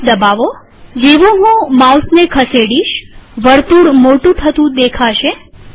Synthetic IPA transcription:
d̪əbaʋo | d͡ʒeʋũɦũmawsnekʰəseɽiʃʋəɾt̪uɽmoʈũt̪ʰət̪ũd̪ekʰaʃe

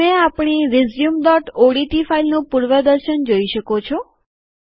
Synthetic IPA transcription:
ẽapɳ̃iɾɪzjumd̪ɔʈoɽiʈifailnũpuɾʋəd̪əɾʃənd͡ʒoiʃəkot͡ʃʰɔ

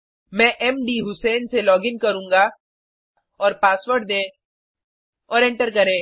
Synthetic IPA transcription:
mɛ̃ːʔɛmɖiːɦʊsɛːnselɔːɡɪŋkɐɾũːŋɡa | ɔːɾpaːswəɾʈ̚d̪ẽː | ɔːɾɛ̃ɳʈəɾkɐɾẽː

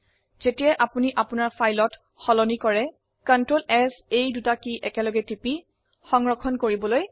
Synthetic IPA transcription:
z̥etijaʔapuniʔapʊnaɹfʰajlɔt | xɔlɔnikɔɹɛ | kantɹolɛsejdutakiʔɛkɛlɔɡɛtipi | xɔŋɹɔkʰɔnkoɹibɔloj

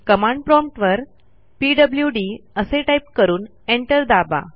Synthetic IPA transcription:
kəmãɳɖpɾɔmʈʋəɾ | piːɖəbljuɖiəseʈajp̚kəɾuːn | eɳʈəɾd̪aba̰

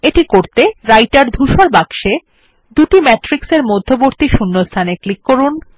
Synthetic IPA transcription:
eʈikoɾt̪eɾajʈaɾd̪ʱuʃoɾbaɡʃe | d̪uʈimɛʈɾikseɾmod̪ʱːoboɾt̪iʃunːost̪ʰaneklikːoɾun

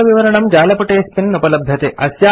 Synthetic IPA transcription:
ɐʋiʋɐɾɐɳɐmd͡ʒaːlɐpɐʈeːspinːupɐlɐbʱjɐt̪eʔɐsjaː

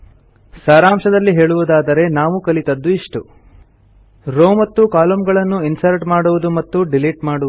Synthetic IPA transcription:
saːɾaːmʂɐd̪ɐlːiɦe̞ːɭuʋud̪aːd̪ɐɾe̞naːʋukɐlit̪ɐd̪ːuiʂʈu | ɾoːmɐt̪ːukaːlɐmɡɐɭɐnːuinsɐɾʈmaːɽuʋud̪umɐt̪ːuɖiliːʈmaːɽu

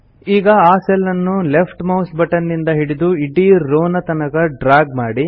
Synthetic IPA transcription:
iːɡɐaːsɛlːɐnːulepʰʈmɐwsbɐʈɐnːind̪ɐɦiɽid̪uiɖiɾoːnɐt̪ɐnɐɡɐɖɾaːɡmaːɽi

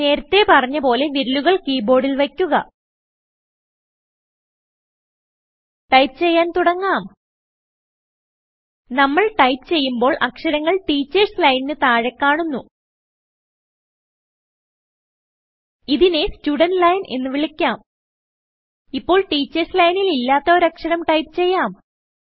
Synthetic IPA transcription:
ne̞ːɾɐt̪ːe̞pɐrɐɲːɐpo̞ːle̞ʋiɾuluɣɐɭkiːbo̞ːɖilʋekʲːuɣɐ̰ | ʈɐjp̚t͡ɕe̞jːaːnt̪uɽɐŋːaːm | nɐmːɐɭʈɐjpt͡ɕe̞jːumbo̞ːɭʔɐkʂɐɾɐŋːɐɭʈiːt͡ɕːɐrslɐjninɨt̪aːɻekːaːɳunːu | iðine̞stuːɽɐnlɐjnʔe̞̰nːɨʋiɭikʲːaːm | ipːo̞ːɭʈiːt͡ɕːɐrslɐjnililːaːt̪ːɐoːɾɐkʂɐɾɐmʈɐjpɨ̥t͡ɕe̞jːaːm

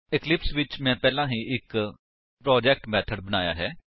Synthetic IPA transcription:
ɪklɪpsʋɪt͡ʃmɛ̃ːpɛːlãːɦiːʔɪk | pɾɔːd͡ʒɛːk̚ʈmɛːt̪ʰəɖbənaːja̰ːɦɛː

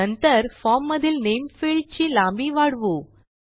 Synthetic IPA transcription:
ənt̪əɾfɔmːəd̪ʱilnejmfiɭɖ̚t͡ɕiːlãmbiʋaɽʋu

